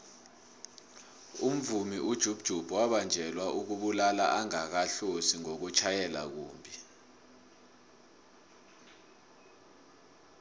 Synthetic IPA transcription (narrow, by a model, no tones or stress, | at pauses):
um̩vumiʔud̥ʒ̥ʱub̥d̥ʒ̥ʱub̥ʱwaɓand͡ʒʱɛlwaʔuk̬uɓulala̰ʔaŋak̬aɬosiŋok̬ut͡ʃʰajɛlak̬uːmbʱi